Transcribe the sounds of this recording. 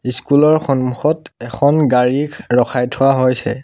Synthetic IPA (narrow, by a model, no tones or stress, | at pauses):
iskulɔɹxɔnmuxɔtɛxʰɔnɡaɹikɹɔxʰajtʰʊwaɦojsɛ̰